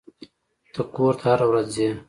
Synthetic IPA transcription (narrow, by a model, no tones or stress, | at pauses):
t̪əkoːɾt̪ʰahaɾawɾazze